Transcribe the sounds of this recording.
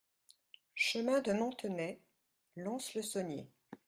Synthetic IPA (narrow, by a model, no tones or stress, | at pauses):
ʃəmɛ̃d̪əmɑ̃t̪ənɛ | lɔ̃sləsɔnjḛ